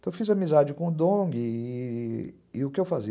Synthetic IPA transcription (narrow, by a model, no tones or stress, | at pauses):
t̪ɐ̃ewfizɐmizad͡ʒɪkõʊd̪õɡɪ | ɪʊkɪewfazi